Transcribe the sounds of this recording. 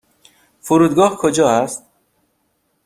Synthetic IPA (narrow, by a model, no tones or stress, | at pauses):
fuɾuːd̪ɡɒːhkʰod͡ʒɒːæst̪̚